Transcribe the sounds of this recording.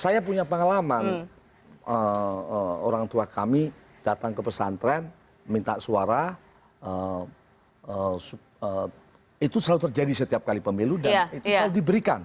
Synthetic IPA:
sajapuɲapəŋalaman | əəo̰ɾaŋt̪uakami | d̥at̪aŋkəpəsant̪ɾɛn | mint̪aʔsuaɾa | ə | əsu | ə | it̪usəlalut̪ərd͡ʒadisət̪iap̚kalipəmeludanit̪səlaludibəɾika̰n

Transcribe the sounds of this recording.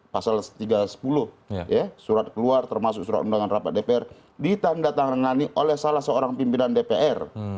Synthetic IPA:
pasalst̪iɡasə̥pulʊh | jasuɾat̪̚kəluart̪ərmasʊk̚suɾa̰t̪undaŋanrapat̪̚depeɛr | dit̪andat̪aŋəŋaniʔolɛhsalasəoɾaŋpimpinandepeʔɛr

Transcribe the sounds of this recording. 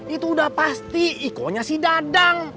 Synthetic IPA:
it̪uːdahpast̪iːko̰ɲasidadaŋ

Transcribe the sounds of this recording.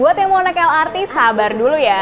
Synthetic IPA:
buat̪jaŋmonəkalart̪ɪshabarduluja

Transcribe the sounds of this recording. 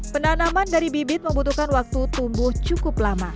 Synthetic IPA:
pənanamandaɾibibɪt̪̚məmbut̪uhkanwak̚t̪ut̪umbʊht͡ʃukʊplama

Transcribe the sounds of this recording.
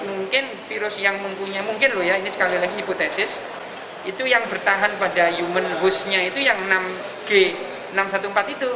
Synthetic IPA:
muŋkɪn | fiɾʊsjaŋməmpuɲamuŋkɪnlohjainisə̥kalilaɡiɦipot̪esɪs | it̪ujaŋbərt̪aɦanpadajumənɦʊsɲait̪ujaŋnam | ɡ̥e | namsat̪umpat̪it̪u

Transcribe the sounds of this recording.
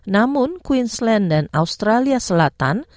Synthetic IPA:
namʊnkwinslɛndanaust̪ɾaliasəlat̪a̰n

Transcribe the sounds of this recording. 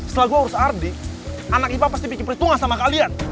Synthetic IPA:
səlaɡuauɾʊsardi | ʔanakibapast̪ipikɪpɾit̪uŋasamakalian

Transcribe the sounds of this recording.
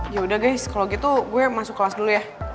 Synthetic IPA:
jaudahɡajskalowɡit̪uɡuɛmasʊkːəlasdulujah

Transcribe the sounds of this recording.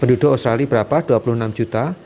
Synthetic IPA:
pənduduʔost̪ɾalibəɾapad̥uapuluhənamd͡ʒut̪a

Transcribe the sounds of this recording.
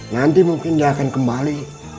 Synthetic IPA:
nant̪imuŋkɪndiakankəmbali

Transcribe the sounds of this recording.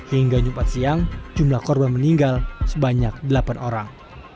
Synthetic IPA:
hiŋɡaɲupat̪̚siaŋd͡ʒumlahkɔrbanməniŋɡalsəbaɲak̚dəlapanoɾaŋ

